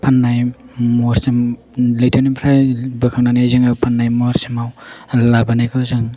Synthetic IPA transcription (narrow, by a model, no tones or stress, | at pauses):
pʰanːajmɔɾsim | lijtʰenipʰɾajbɯkʰaŋnanajzɯŋapʰanːajmoɾsimawlabanajkʰɯzɯŋ